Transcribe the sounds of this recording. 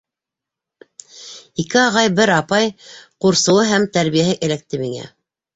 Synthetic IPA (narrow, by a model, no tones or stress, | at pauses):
ikɘɑʁɑjbɘɾɑpɑjquɾsɤ̆wɤɦæmt̪æɾβijæhɘʔɘ̆læk̚t̪ɘmiŋæ̰